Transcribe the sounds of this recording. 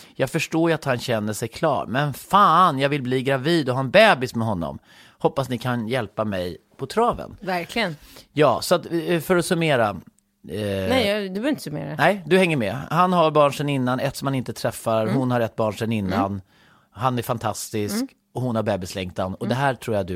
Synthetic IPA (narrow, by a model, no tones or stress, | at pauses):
jɑːɡfœʂʈoːjat̪hanɕɛnːəʂɛjkʰlɑ̰ːɾmɛnfaːnjɑːɡvɪlbliːɡɾaviːd̪ɔɦɑːɛnbɛːbɪsmɛɦɔnːɔ̰m | hɔpːasnɪkʰanjɛlpamɛjpʰɔt̪ʰɾɑːvə̰nvæɾkʰlɪənjɑːsɔat̪fœɾɔsɵmeːɾa | nɛd̪ɵbœɾvɪnt̪ə̥sɵmḛːɾanɛjd̪ɵhɛŋːəɾmɛhanɦaɾbɑːɳʂɛnɪnːanɛt̪sɔmhanɪnt̪ət̪ʰɾɛfːaɾhʊnhaɾɛt̪̚ːbɑːɳʂɛnɪnːan | hanæɾfant̪ʰast̪ɪsk | ɔhʊnhaɾbɛːbɪslɛŋkt̪anɔd̪ɛɦæːʈʰɾuːɾjad̪ɵ